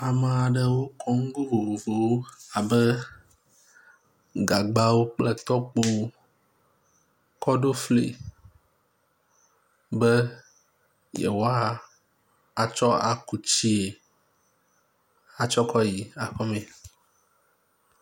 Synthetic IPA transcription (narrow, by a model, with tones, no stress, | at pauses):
a˨mə˨a˨ɖə˨wo˦kɔ˦ŋ̩˦ɡo˦vo˨vo˨vo˨wo˦a˨bɛ˦ | ɡa˨ɡ͡ba˦wo˦k͡plɛ˦t̪ɔ˦k͡po˦ | kɔ˦ɖo˦flḛ˨ | bɛ˦ | jɛ̰˨wo˦a˦ | a˨t͡ʃɔ˦a˨ku˨t͡ɕi˦e˨ | a˨t͡ʃɔ˦kɔ˦ji˨a˨kɔ˦mẽ˨